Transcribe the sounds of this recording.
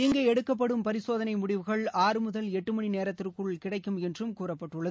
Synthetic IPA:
ɪŋɡɐɛɽɯkːɐp̬ːɐɽɯmpɐɾɪsoːðɐnɐɪmʊɽɪʋɯɣɐɭaːɾɯmʊðɐlɛʈːɯmɐɳineːɾɐt̪ːɪrkɯɭkɪɽɐɪkːɯmɛndrɯmkuːrɐpːɐʈːɯɭːɐð

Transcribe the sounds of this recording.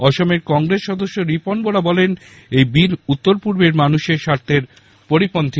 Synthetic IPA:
ɔʃomeɾkɔŋɡɾesːɔd̪oʃːoɾiponboɽabɔlen | ejbiɾut̪ːoɾpuɾbeɾmanuʃeɾʃaɾt̪ʰeɾ | poɾipont̪ʰi

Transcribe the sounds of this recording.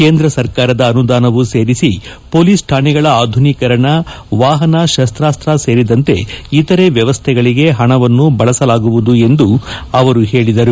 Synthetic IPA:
ke̞ːnd̪ɾɐsɐɾkaːɾɐd̪ɐːnud̪aːnɐʋuse̞ːɾisipo̞ːliːsʈʰaːɳɛɡɐɭɐaːd̪ʱunikɐɾɐɳɐ | ʋaːɦɐnɐʃɐst̪ɾaːst̪ɾase̞ːɾid̪ɐnt̪e̞̰it̪ɐɾe̞ʋjɐʋɐst̪ʰɛɡɐɭiɡe̞ɦɐɳɐʋɐnːubɐɭɐsɐlaːɡuʋud̪ue̞nd̪uɐʋɐɾuɦe̞ːɭid̪ɐɾu

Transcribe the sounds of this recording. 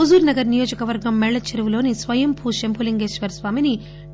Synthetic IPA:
ozuːɾnɐɡɐɾnijo̞ːd͡ʒɐkɐʋɐɾɡɐmːɛɭːɐt͡ʃʰɐɾɐʋulo̞ːnisʋɐjɐmpʰuːʃempʰuliŋɡeːsʋɐɾsʋaːmini

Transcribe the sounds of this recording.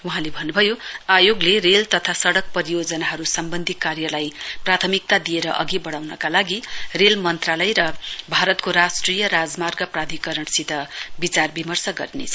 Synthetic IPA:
wuɦãlebʱʌnːubʱʌjoajoɡlerelt̪ʌt̪ʰasʌɽʌk̚pʌɾijod͡zʌnaɦʌɾusʌmbʌnd̪ʱikarjʌlajprat̪ʰʌmik̚t̪ad̪ijeɾʌ̰ʔʌ̰ɡibʌɽawnʌkalaɡirelmʌnt̪ralʌjɾʌbʱaɾʌt̪koɾasʈrijʌɾad͡zmarɡʌprad̪ʱikʌɾʌɳsid̪ʱʌbit͡sarbimʌrsʌɡʌ̰rnḛt͡sʰʌ

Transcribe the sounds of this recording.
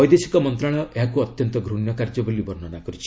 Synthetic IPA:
ɔjd̪esi̥kɔmɔnt̪ɾaɭ̃ɔʔeɦakuɔt̪jɔnt̪ɔɡʱɾunjɔkaɾd͡ʒɔbolibɔɾnɔnakɔɾut͡ʃʰi̥

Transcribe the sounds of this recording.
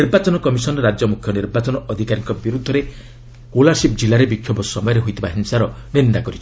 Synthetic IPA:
iɾbat͡ʃɔnɔkɔmisɔnɾad͡ʒjɔmukʰjɔniɾbat͡ʃɔnɔʔɔd̪ʱikaɾiŋkɔbiɾud̪ʱːɔɾe | kolasip̚d͡ʒilaɾebikʰːjɔbɔsɔmɔjɔɾeɦojt̪ʰibaɦiŋsaɾɔnind̪akɔɾit͡ʃʰi̥

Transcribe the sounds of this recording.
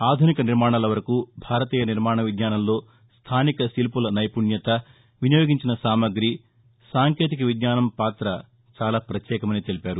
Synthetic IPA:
aːd̪ʱunikɐniɾmaːɳ̃aːlɐʋɐɾɐkubʱaːɾɐt̪iːjɐniɾmaːɳɐʋid̪ɲaːnɐmlo̞ː | st̪ʰaːnikɐsilpulɐnɐjpuɳjɐt̪ɐ | ʋinijoːɡiɲt͡ʃinɐsaːmɐɡɾi | saːŋkeːt̪̬ikɐʋid̪ɲaːnɐmpaːt̪ɾɐ | t͡ʃaːlaːpɾɐt̪jɛːkɐmɐniːt̪elipaːɾu

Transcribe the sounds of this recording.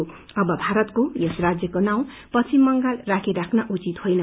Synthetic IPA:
ʌbʌbʱaɾʌt̪kojʌsrad͡zjʌkonaw̃ | pʌt͡sʰimʌŋɡalrakʰiɾakʰnaʔut͡sit̪hojnʌ

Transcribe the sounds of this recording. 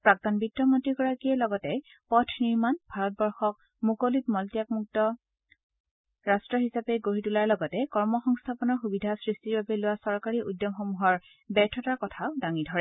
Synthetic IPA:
pɹak̚tɔnbitːɹɔmɔtiɡɔɹakijɛlɔɡɔtɛ | pɔtʰniɹmanbʱaɹɔt̚bɔɹxɔk̚ | mukolit̚mɔltijak̚muk̚tɔ | ɹastɹɔɦisapeɡoɹitulaɹlɔɡɔtɛkɔɹmɔxɔŋstʰapɔnɔɹxubidʱasɹistiɹbabɛlʊwasɔɹkaɹiʔudːjɔmxɔmuɦɔɹ | bɛɹtʰɔtaɹkɔtʰaʊdaŋidʱɔɹɛ

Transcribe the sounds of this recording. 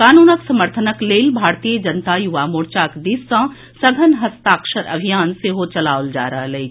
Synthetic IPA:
kaːnuːnəksɐməɾt̪ʰənəkleːlbʱaːɾt̪ijəd͡ʒɐnt̪ajuʋamoːɾt͡ʃaːkd̪isːə̃ | sɐɡʱənɦɐst̪aːkʃəɾʔɐ̰bʱijaːnseɦot͡ʃɐla̰ːʋold͡ʒa̰ːɾəɦələɦi

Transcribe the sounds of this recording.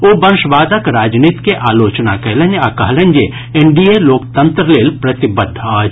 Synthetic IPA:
oːbɐɾʃʋaːd̪əkɾaːd͡ʒniːt̪keʔaːloːt͡ʃnakɐlɐ̃nakɐɦlɐ̃nd͡ʒe | eɳɖieloːk̚t̪ɐ̃nt̪ɾəleːlpɾɐt̪ɪbəd̪ʱːaː

